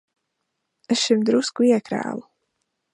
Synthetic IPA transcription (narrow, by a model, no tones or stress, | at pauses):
esʃimd̪ɾuskuiɛkɾæ̰ːlu